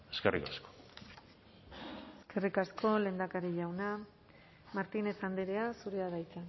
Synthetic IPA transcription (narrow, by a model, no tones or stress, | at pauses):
eskerḭkasko̥ | eske̞rikasko̞le̞ːnd̪akaɾiʎawna | maɾt̪ine̞sand̪eɾe̞asuɾeaðajt͡san